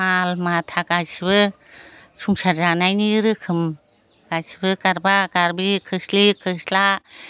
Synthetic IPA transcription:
malmat̪ʰakajsibɯ | sʰuŋsaɾzanajniɾɯkʰɯm | kasibɯkaɾbakaɾbikʰɯslikʰɯsla

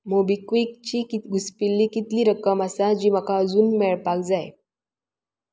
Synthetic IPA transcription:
mobikʋik̚t͡ɕiːkiɡuspilːiːkit̪liːɾəkəməsad͡ʑiːməkaəd͡zuːnmɛɭpak̚d͡zaj

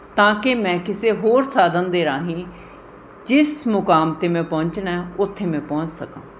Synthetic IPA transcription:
t̪ãːkɪmɛ̃ːkɪseːɦoːɾsaːd̪ənd̪eːɾãːɦĩː | d͡ʒɪsmʊkaːmt̪eːmɛ̃ːpɔːɲt͡ʃnɛːʊt̪ʰːeːmɛ̃ːpɔ̃ːɲt͡ʃsəkã̰ː

